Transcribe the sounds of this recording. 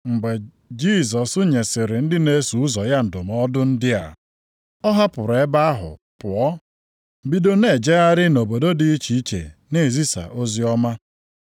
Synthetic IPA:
ŋ͡m̩˨ɡ͡be˨ | d͡ʒi˦˨zɔ˨sʊ˦ɲe˨sɪ˨ɾɪ˨n̩˦dɪ˦ne˦su˨u˦zɔ˨ja˦n̩˨dʊ˨m˨˦ɔ˦dʊ˦n̩˦dɪ˦a̰˨ | ɔ˦ɦa˦pʊ˨ɾe˦ba˦a˦ɦʊ̰˨ | pʊ˨ɔ˦ | bi˦do˦ne˨d͡ʒe˦a˦ɾɪ˦no˨bo˨do˦dɪ˨˦i˦t͡ʃi˦i˦t͡ʃḛ˨ne˦˨zi˦sa̰˨ʔo˦zi˦ɔ˦ma˦

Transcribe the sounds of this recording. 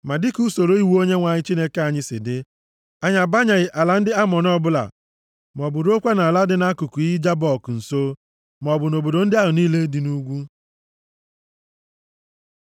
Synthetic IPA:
ma˨dɪ˦ku˦so˨ɾo˦i˦wo˦ɲe˦ŋʷa˨ɲɪ˦t͡ʃi˦ne˦ke˦a˨ɲɪ˦sɪ̰˨dɪ˦ | a˦ɲa˨ba˦ɲa˨ɣɪ˨ʔa˨la˨n̩˦dɪ˦a˦mɔ˨n˦ɔ˦bʊ˦la̰˨ | m˨ɔ˨bʊ˨ɾo˦kʷa˦na˨la˦dɪ˦na˦ku˨ku˨i˦d͡ʒa˦bɔ˦˨kn̩˨so˦ | m˨ɔ˨bʊ˨no˨bo˨do˨n̩˦dɪ˦a˦ɦʊ˨niː˦le˦di˨nu˦ɡʷu˦

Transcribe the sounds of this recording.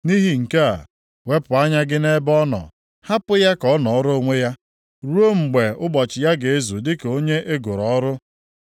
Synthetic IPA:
ni˦ɦi˨ŋ̩˨ke˦a̰˨ | we˦pʊ˨a˦ɲa˦ɡɪ˦ne˦bɔ˦nɔ̰˨ | ha˦pʊ˦ja˦kɔ˦nɔ˨ɔ˦ɾo˦o˦ŋʷe˦ja˦ | ɾu˦o˦ŋ͡m̩˨ɡ͡be˨ʊ˦ɡ͡bɔ˨t͡ʃɪ˨ja˦ɡe˨e˦zu˨dɪ˦ko˦ɲe˦ʔe˦ɡʊ˨ɾɔ˨ɔ˦ɾʊ˦

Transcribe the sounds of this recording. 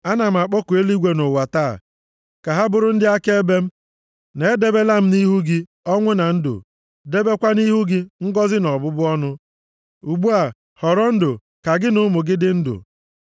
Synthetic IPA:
a˦na˨m̩˨a˨k͡pɔ˦ku˨e˦li˦ɡʷe˦nʊ˨wa˨ta̰˦˨ | ka˨ɦa˦bʊ˨ɾʊ˦n̩˦dɪ˦a˦ke˦e˦be˦m̩˦ | ne˨˦de˦be˦la˦m̩˦ni˦ɦu˦ɡɪ˦ | ɔ˦ŋʷe˦na˨n̩˦dʊ̰˨ | de˦be˦kʷa˦ni˦ɦu˦ɡɪ˦ŋ̩˦ɡɔ˦zɪ˦nɔ˨bʊ˦bʊ˦ɔ˦nʊ˦ | u˨ɡ͡bu˦a˨ | hɔ˨ɾɔ˦n̩˦dʊ˨ | ka˨ɡɪ˦nʊ˦mʊ˨ɡɪ˦dɪ˦n̩˦dʊ̰˨

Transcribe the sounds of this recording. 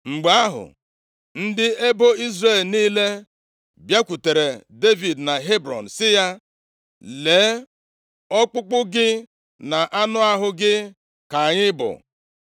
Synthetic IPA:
ŋ͡m̩˨ɡ͡ba˨a˦ɦʊ̰˨ | n̩˦dɪ˦e˦bo˦i˦zre˦˨lniː˦le˦ | bja˦kʷu˨te˨ɾe˨de˦vi˨dna˨ɦe˦bɾɔ̰˨n̩˨sɪ˦ja˦ | leː˨˦ | ɔ˦k͡pʊ˦k͡pʊ˦ɡɪ˦ | na˨ʔa˦nʊ˦a˦ɦʊ˦ɡɪ˦ | ka˨ɲɪ˦bʊ̰˨

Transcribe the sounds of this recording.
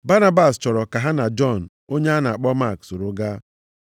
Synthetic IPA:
ba˦na˦ba˨st͡ʃɔ˨ɾɔ˨ka˨ɦa˦na˨d͡ʒɔ˦˨n̩˨ | o˦ɲe˦a˦na˨a˨k͡pɔ˦ma˦˨kso˨ɾo˨˦ɡa˦

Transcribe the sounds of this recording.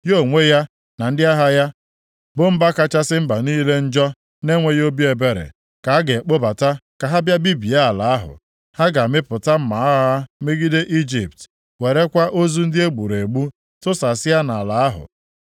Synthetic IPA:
jo˦˨ŋʷe˦ja˦ | na˨n̩˦dɪ˦a˦ɦa˦ja˦ | bʊ˦m̩˦ba˦ka˦t͡ʃa˦sɪ˦m̩˦ba˨niː˦le˦n̩˦d͡ʒɔ˦ | ne˦ŋʷe˦jo˦bi˦e˨be˨ɾḛ˨ | ka˨a˦ɡe˨k͡po˦ba˨ta˦ka˨ɦa˦bja˦bi˦bi˨a˦a˨la˨a˦ɦʊ̰˨ | ha˦ɡa˨mɪ˦pʊ˨ta˦m̩˦ma˨a˦a˦me˦ɡi˦de˦ʔi˦d͡ʒi˨pt | we˨ɾe˦kʷa˦ʔo˦zu˦n̩˦dɪ˦e˦ɡ͡bu˨ɾe˨ɡ͡bu˦ | tʊ˦sa˨sɪ˦ja˦na˨la˨a˦ɦʊ̰˨

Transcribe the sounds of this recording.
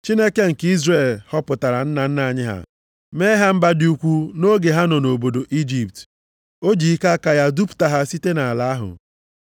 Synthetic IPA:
t͡ʃi˦ne˦ke˦ŋ̩˨ki˦zre˨lhɔ˦pʊ˨ta˨ɾa˨n̩˦na˨n̩˦na˨ɲɪ˦ɦa̰˦ | meː˦ɦa˦m̩˦ba˦dɪ˦u˦kʷu˦no˦ɡe˨ɦa˦nɔ˨no˨bo˨do˨ʔi˦d͡ʒi˨p̚t | o˦d͡ʒi˨i˦ka˦ka˦ja˦du˦pʊ̥˨ta˨ɦa˦si˦te˦na˨a˨la˨a˦ɦʊ̰˨

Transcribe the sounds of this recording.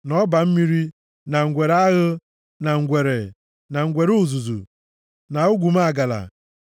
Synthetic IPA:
nɔ˦ba˨m̩˦mi˦ɾi˦ | na˨ŋ̩˨ɡʷe˨ɾa˦ɣʊ˦ | na˨ŋ̩˨ɡʷe˨ɾe˨ | na˨ŋ̩˨ɡʷe˨ɾu˨zu˨zṵ˨ | na˨ʊ˦ɡʷu˨ma˦a˨ɡa˨la̰˨

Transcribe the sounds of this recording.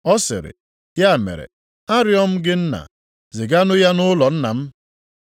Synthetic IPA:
ɔ˦sɪ̰˨ɾɪ̰˨ | ja˦˨mḛ˨ɾḛ˨ | a˦ɾjɔ˦m̩˦ɡɪ˦n̩˦na̰˨ | zɪ˨ɡa˦nʊ˦ja˦nʊ˦lɔ˨n̩˦na̰˨m̩˦

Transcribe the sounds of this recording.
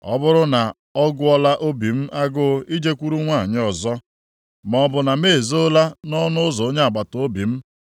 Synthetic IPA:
ɔ̰˦bʊ˦ɾʊ˦na˨ | ɔ˦ɡʊ˦ɔ˦la˦ʔo˦bi˨m̩˦ʔa˦ɡʊ˦i˦d͡ʒe˦kʷu˦ɾu˦ŋʷa˦˨ɲɪ˦ɔ˨zɔ˦ | mɔ˨bʊ˨na˨me˦˨zo˦la˦nɔ˦nʊ˦ʊ˦zɔ˨o˦ɲe˦a˨ɡ͡ba˨to˦bi˨m̩˦

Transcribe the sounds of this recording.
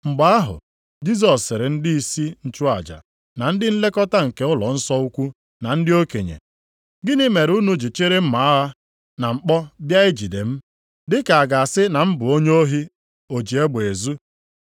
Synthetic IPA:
ŋ͡m̩˨ɡ͡ba˦a˦ɦʊ̰˨ | d͡ʒi˦s̬ɔ˨ssːɪ˨ɾɪ˨n̩˦dɪ˦i˦si˦n̩˨t͡ʃu˦a˨d͡ʒa̰˨ | na˨n̩˦dɪ˦n̩˦le˦kɔ˦ta˦ŋ̩˨ke˦ʊ˦lɔ̰˨n̩˦sɔ˦u˦kʷu˦ | na˨n̩˦dɪ˦o˦kḛ˨ɲḛ˨ | ɡɪ˦nɪ˦me˨ɾu˦nu˦d͡ʒi˨t͡ʃe˦ɾe˦m̩˦ma˨a˦ɦa˦ | na˨ŋ͡m̩˨k͡pɔ˦bja˦ɪ˦d͡ʒi˨de˨m̩˦ | dɪ˦ka˨a˨ɡa˨a˨sɪ˦na˨m̩˦bʊ˨o˦ɲ˦o˦ɦi˦ | o˨d͡ʒi˨e˦ɡ͡be˨zu˦

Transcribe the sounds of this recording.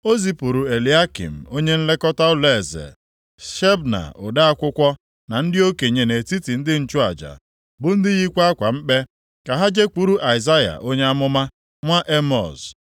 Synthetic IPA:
o˦zi˨pu˨ɾu˨e˨li˨˦a˦kḭ˨m̩˨o˦ɲe˦n̩˦le˦kɔ˦ta˦ʊ˦le˦˨zḛ˨ | ʃe˦bna̰˨ʊ˨da˦a˦kʷʊ˦kʷɔ˦ | na˨n̩˦dɪ˦o˦ke˨ɲe˨ne˨ti˦ti˨n̩˦dɪ˦n̩˦t͡ʃʊ˦a˨d͡ʒa̰˨ | bʊ˨n̩˦dɪ˦ɣi˦kʷa˦kʷa˨m̩˦k͡pe˦ | ka˨ɦa˦d͡ʒe˦k͡pu˦ɾu˦ʔa˨i˨za˦ja̰˨ʔo˦ɲe˦a˦mʊ˦ma˦ | ŋʷa˦ʔe˦mɔ̰˨z

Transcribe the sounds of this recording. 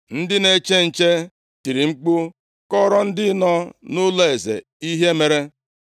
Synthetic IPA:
n̩˦dɪ˦ne˦t͡ʃe˦n̩˨t͡ʃe˦ | ti˨ɾi˨ŋ͡m̩˦k͡pʊ˦ | kɔ˦ɾɔ˦n̩˦dɪ˦nɔ˦nʊ˦lo˦e˨zḛ˨ | i˦ɦe˦me˨ɾe˦

